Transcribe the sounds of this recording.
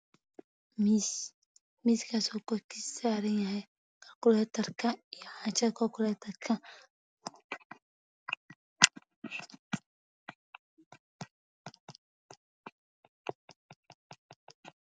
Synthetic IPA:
ms | miːskʰasɔːkɔkʰɪsaːɾɐnjɐɦɛj | kʰɐrkʊlɛːt̪ʰɐrkʰɐijɔʕaːt͡ʃɐkʰɔkʰʊlɛːt̪ʰɐrkʰɐ

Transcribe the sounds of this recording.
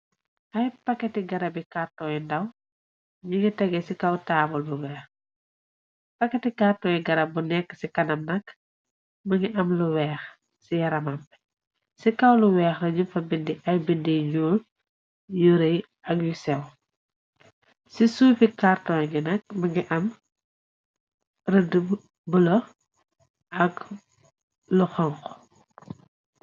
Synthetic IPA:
ʔɐjpɐkːɛtiɡɐɾɐbikartɔːjɛndɐw | ɲiŋɡitɛɡɛsikɐwtaːbɔlbuwɛːx | pɐkːɛtikartɔːjɛɡɐɾɐbunɛkːə̥sikɐnɐmnɐk | mɐŋɡiʔɐmluwɛːx | sijɐɾɐmɐmp | sikɐwluwɛːxrɐɲumfɐbindiʔɐjbindiɲuːl | juɾɐj | ɐkjusɛw | sisuːfikartɔjŋɡinɐk̚mɐŋɡiʔɐm | rədəb | bəlɐ | ʔɐk | luxɔŋxɔ

